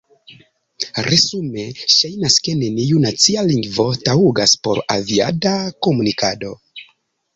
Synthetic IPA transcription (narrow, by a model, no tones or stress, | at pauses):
ɾe̞sume̞ʃajnaske̞ne̞niunat͡sialiŋɡvo̞tauɡaspo̞ɾavia̰dako̞munikado̞